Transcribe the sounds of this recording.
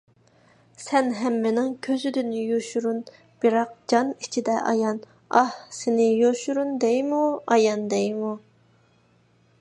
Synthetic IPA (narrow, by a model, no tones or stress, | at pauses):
sɛnɦɛmːɪnɪŋkʲʰøzyd̪ynɪjoʃuɾun | b̥iɾɑq̚d͡ʒɑnit͡ʃʰid̪ɛʔɑ̰jɑn | ɑhsɪnɪjoʃuɾund̪ɛjmuɑjɑnd̪ɛjmu